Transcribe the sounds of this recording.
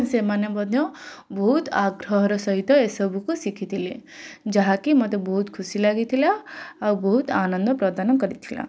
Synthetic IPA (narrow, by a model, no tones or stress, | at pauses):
nsemanebɔd̪ʱjɔbɔɦut̪aɡɾɔɦɔɾɔsɔɦit̪ɔesɔbʱukusikʰit̪ʰiled͡ʒaɦakimɔt̪ebɔɦut̪kʰusilaɡit̪ʰilaːwbɔɦut̪anɔnd̪ʱɔpɾɔd̪anɔkɔɾit̪ʰila̰